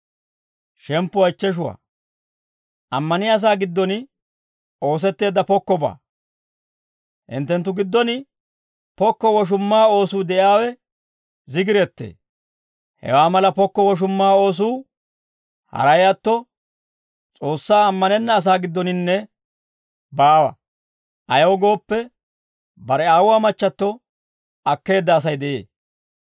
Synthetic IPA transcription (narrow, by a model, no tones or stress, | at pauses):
ʃɛmpːʊwɐjt͡ʃːɛʃ̬ʊwa̰ː | ʔɐmːɐnɪɐs̬aːɡɪd̪ːɔnɪ | o̞ːs̬ɛt̪ːe̞ːd̪ːɐpɔkːɔba̰ː | ʔɪ̰nt̪ːɛnt̪̬ːʊɡɪd̪ːɔnɪ | pɔkːɔwɔʃ̬ʊmːaːo̞ːsuːd̪ɛʔɪaːwɛ | zɪɡɪɾɛt̪ːḛː | hɛ̰waːmɐlɐpɔkːɔwɔʃ̬ʊmːaːo̞ːs̬uː | hɐ̰ɾɐjɐt̪ːɔ | t͡sʼo̞ːsːaːɐmːɐnɛnːɐːs̬aːɡɪd̪ːɔnɪnːɛ | baːwɐ̰ | ʔɐjɐwɡo̞ːpːɛ | bɐɾɛaːwwaːmɐt͡ʃːɐt̪ːɔ | ɐkːe̞ːd̪ːɐːs̬ɐjd̪ɛʔḛː